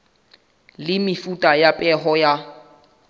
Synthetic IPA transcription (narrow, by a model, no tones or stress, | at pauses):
lɪmɪfutʼajapʼɛɦɔja